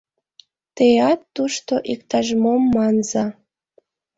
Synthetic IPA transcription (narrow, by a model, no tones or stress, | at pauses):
t̪ejɑt̪ːuʃt̪oʔikt̪ɑʒmomːɑnzɑ